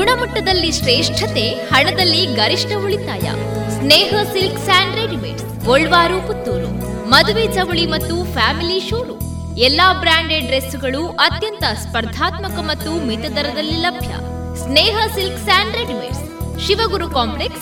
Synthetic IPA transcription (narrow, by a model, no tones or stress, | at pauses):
ɡuɳɐmɐʈːɐd̪ɐlːiʃɾeːʂʈʰɐt̪ehɐɳɐd̪ɐlːiɡɐɾiʂʈɐuɭit̪a̰ːjɐ̰ | sneːɦɐsilksaːɳɖɾeɖimḛʈs | oɭːʋaːɾuput̪ːoːɾṵ | mɐd̪uʋed͡ʒɐʋuɭimɐt̪ːupʰaːmiliʃuːɾu | ɛlːaːbɾaːɳɖeɖɾesuɡɐɭuʔɐt̪jɐnt̪ɐspɐɾd̪ʱaːt̪mɐkɐmɐt̪ːumit̪ɐd̪ɐɾɐd̪ɐlːilɐbʱjɐ̰ | sneːɦɐsilksaːɳɖɾeɖimḛʈs | ʃiʋɐɡuɾukaːmpleks